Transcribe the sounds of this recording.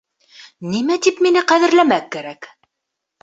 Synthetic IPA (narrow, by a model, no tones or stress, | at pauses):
nimæt̪ipminɘqæðɘ̆ɾlæmækːæɾæk